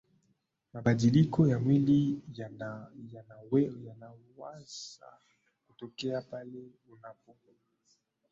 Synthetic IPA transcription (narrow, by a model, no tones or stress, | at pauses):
mabadilikʰɔjamwili | janajanawasa̰ | kotokɛapale | unavɔ